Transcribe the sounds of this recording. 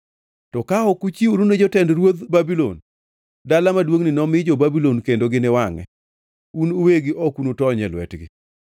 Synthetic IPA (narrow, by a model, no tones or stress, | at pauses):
tɔkaɔkut͡ʃiuɾuned͡ʒɔtɛndɾwod̪babilo̰n | dalamadwoŋnɪnɔmɪd͡ʒɔbabilɔnkendoɡɪnɛwaŋɛ̰ | unoweɡɪʔɔkunotɔɲɛlwɛ̰tɡɪ̰